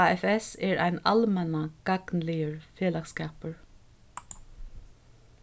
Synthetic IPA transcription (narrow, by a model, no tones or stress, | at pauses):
aːɛfɛsɛɹa̰jna̰lmɛnaɡ̥aɡnlɪjəɹfjeːlakskaːpəɹ